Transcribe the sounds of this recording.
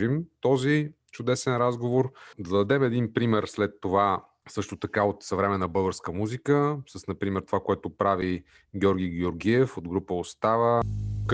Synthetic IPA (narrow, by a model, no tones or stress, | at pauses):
imt̪ɔzi | t͡ʃʊd̪ɛsɛnɾazɡovoɾd̪ɐd̪ɐd̪ɛmɛd̪inpɾimɛɾslɛt̪ːova | sɤʃt̪ot̪ɐkaot̪sɐvɾɛmɛnːəbɤlˠɡəɾskəmuzikəsəsnɐpɾimɛɾt̪ovakoɛt̪opɾavi | ɡʲjɔɾɡʲiɡʲoɾɡʲiɛfod̪ɡɾupəost̪avək